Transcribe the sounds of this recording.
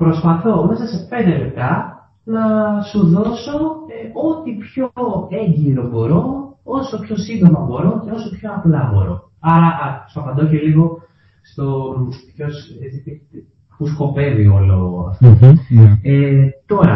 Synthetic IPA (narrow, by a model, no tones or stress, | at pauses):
pɾo̞spɐθo̞unɐsɐsepe̞nd̪emet̪ɐ | nɐsuðo̞so̞ot̪ipçoeɲɟiɾo̞bo̞ɾo̞oso̞pçosind̪omɐbo̞ɾo̞ce̞o̞sopço̞ɐplɐbo̞̰ɾo̞̰ | ɐɾɐst̪oɐpɐnd̪oçeliɣo̞ | st̪o̞pço̞set͡si | xusko̞pe̞vio̞loɣo̰ɐ̰ft̪o | et̪o̞ɾɐ̰